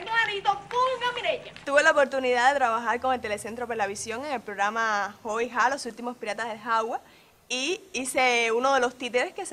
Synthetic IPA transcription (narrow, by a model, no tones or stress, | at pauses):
emaɾit̪opukomiɾeɲat̪uβe̞laopo̞ɾt̪uniðaðe̞t̪ɾaβaxaɾko̞ŋe̞lt̪e̞le̞se̞nt̪ɾo̞pelaβisjo̞ŋe̞ŋe̞lpɾo̞ɣɾamaho̞ixalo̞sult̪imo̞spiɾat̪aðe̞lɦawa | iise̞uno̞ðe̞lo̞st̪it̪eɾe̞skes